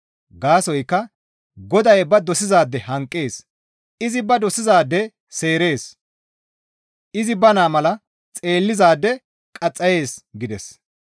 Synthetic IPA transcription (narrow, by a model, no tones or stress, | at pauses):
ɡaːsɔjkːɐ | ɡɔd̪ɐjbɐd̪ɔsɪzaːd̪ːɛhɐŋkʼːeːs | ɪzɪbɐd̪ɔsɪzaːd̪ːɛ | se̞ːɾe̞ːs | ʔɪzɪbɐnaːmɐlɐ | t͡sʼe̞ːlːɪzaːd̪ːɛ | kʼɐt͡sʼːɐje̞ːsɡɪd̪ɛs